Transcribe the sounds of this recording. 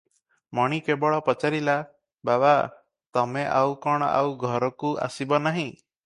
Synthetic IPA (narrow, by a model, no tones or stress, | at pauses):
mɔɽ̃ikebɔɭɔpɔt͡ʃaɾila | baba | t̪ɔmeʔawkɔɽ̃ɔa̰wɡʱɔɾɔkua̰sibɔnaɦĩ